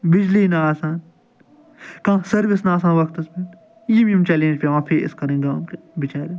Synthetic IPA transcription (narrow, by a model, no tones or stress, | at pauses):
bɪd͡ʒliːnaaːsaːn | kãːsɐɾʋɪsnaːs̬ãːnʋɐkt̪ɐspen | jimĩmt͡ʃɛːlẽːnd͡ʒpʲeːʋãːpʰeɾɪ̰skɐɾẽːɡãːmk | bɪt͡ʃaːɾi